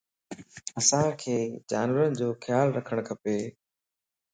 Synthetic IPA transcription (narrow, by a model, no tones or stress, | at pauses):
ɐsãːkʰeːd͡ʑaːnʋəɾənɪ̆d͡ʑoːxjaːlɾɐkʰəɽ̃kʰɐpeː